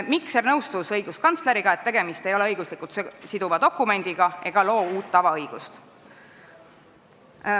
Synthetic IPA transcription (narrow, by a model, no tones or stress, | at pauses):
miksernɤwst̪usɤjɡ̥uskɑnt̪sle̞ɾiɡ̥ɑe̞t̪ːe̞ɡe̞mist̪e̞jo̞leɤjɡ̥uslikːˑult̪sid̪uvɑd̪̥o̞kːˑume̞nʲd̪̥iɡ̥ɑʔe̞ɡ̥ɑlo̞ːuːt̪ːɑvɑɤjɡ̥ust̪